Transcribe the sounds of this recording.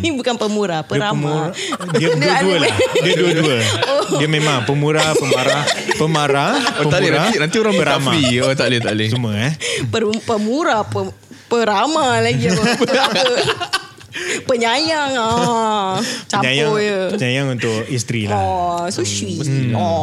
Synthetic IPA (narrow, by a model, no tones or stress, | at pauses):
bukanpəmuɾapəɾam | diədəduəldiəduəduəoiəmemaŋpəmuɾapəmaɾahpəmaɾaoəaliɾaanant̪ioɾaŋbəɾamaiot̪alit̪alisuməapəpəmuɾapə | pəɾamalaɡi | pəɲajaŋa | pt͡ʃaəɲajaojəpəɲajaŋunt̪ʊkist̪ɾilaɔsuʃiɔ